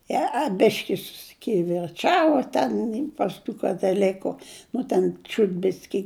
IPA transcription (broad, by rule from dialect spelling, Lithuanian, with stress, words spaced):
jiɛ ɐ ˈbʲɪʃʲkʲɪ sʊsʲɪkʲɪʋʲɪrˈt͡ʃɑːʋɐ ˈtʲɛn pɐs ˈtuː kɐtɐˈlʲɪkʊ ˈnʊ tʲɛn ˈt͡ʃʲuːt ˈbʲɪsʲkʲɪ